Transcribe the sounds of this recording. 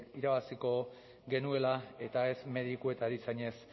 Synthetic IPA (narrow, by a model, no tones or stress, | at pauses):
iɾaβasiko̞ | ɡe̞nue̞lae̞t̪ae̞zme̞ðikue̞t̪aɾisaɲe̞s